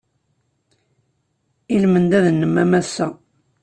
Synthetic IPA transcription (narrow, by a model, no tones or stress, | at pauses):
ilmənd̪æðnːəmːæmæsːæ